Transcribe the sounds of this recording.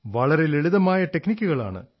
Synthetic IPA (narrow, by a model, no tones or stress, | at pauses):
ʋɐɭɐɾe̞leɻuðɐmaːjɐʈeknikʲːuɣɐɭa̰ːɳɨ̰